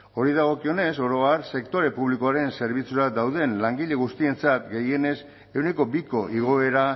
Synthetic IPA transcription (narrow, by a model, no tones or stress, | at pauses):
o̞ɾiðaɣ̞o̞kio̞ne̞so̞ɾo̞aɾse̞kt̪o̞ɾe̞puβlikoaɾe̞nse̞ɾβit͡suɾad̪awð̞e̞nlaŋɡiʎe̞ɣ̞ust̪ie̞nt͡sat̪ɡe̞je̞ne̞s | e̞wneko̞biko̞ʔiɣ̞o̞e̞ɾa